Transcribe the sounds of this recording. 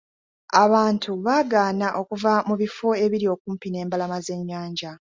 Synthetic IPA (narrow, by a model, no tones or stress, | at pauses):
aβaːntʰuβaːɡaːnaʔo̞kuvamuβifo̞e̞βiɾio̞ːkuːmpine̞ːmbalamaze̞ɲːaːɲɟa